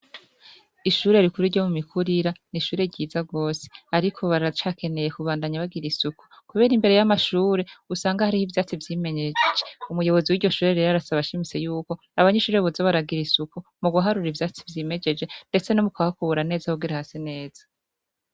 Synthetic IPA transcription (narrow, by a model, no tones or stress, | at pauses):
iʃuːɾe̞ɾikuɾiɾɟjo̞mumikʰuɾiɾaniʃuːɾe̞ɾɟiːzaɡo̞ːse̥aɾikʰo̞βaɾat͡ʃaːkʰe̞ne̞je̞kuβaːndaɲaβaɡiɾisuku | kuβe̞ːɾimbe̞ɾe̞jamaʃuːɾe̞usaːŋɡahaɾihivjaːt͡sivjiːme̞ɲed͡ʒd͡ʒeumujo̞βo̞ziwiːɾɟo̞ʃuːɾeɾeɾaɾasaβaʃimit͡se̞juːko̞ | aβaɲeʃuːɾeβozoβaɾaɡiɾisukumuɡuɦaɾuɾivjaːt͡si̥vjiːme̞d͡ʒe̞d͡ʒe̞nde̞t͡se̞nomukwahakuβuɾane̞ːzahoɡiɾahasine̞ːz̥ḁ